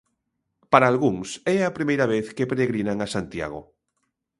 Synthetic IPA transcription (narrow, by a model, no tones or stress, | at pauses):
paɾaːlɣuŋsɛapɾimejɾaβeθkepeɾeɣɾinaŋasant̪ja̰ɣ̞o̰